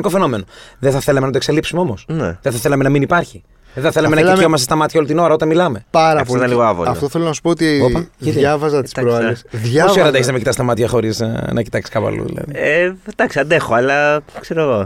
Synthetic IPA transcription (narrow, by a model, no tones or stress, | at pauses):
nikofeno̞me̞no̞ðeθɐθelɐmenɐt̪okselipsumeo̞mo̞snḛðeθɐθe̞lɐme̞nɐminipɐɾçi | ðeθɐθe̞lɐme̞nɐikomɐsest̪ɐmɐt̪çɐolit̪ino̞ɾɐo̞t̪ɐnmilɐme̞pɐɾɐpoliɐliɣoɐvo̰ɐt̪oθelonɐsu̥pooːt̪iopɐiɐvɐzɐti̥st̪ɐɾoesðʝɐosioɾɐnt̪eçeznɐmecit̪ɐst̪ɐmɐt̪çɐxo̞ɾiz̰nʔɐcit̪ɐksi̥kɐpɐ̰lṵðḭlɐ̰ðied̪ɐksiɐnd̪e̞xoɐlɐkseɾoɣo̞